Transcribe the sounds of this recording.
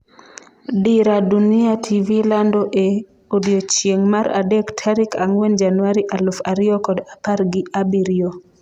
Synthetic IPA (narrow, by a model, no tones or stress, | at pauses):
diɾadunɪatʰivilandoʔe | odiot͡ʃjeŋmaɾa̰dektʰaɾikaŋwend͡ʒanwaɾiʔalʊfaɾɪɔkɔdapaɾɡɪabiɾio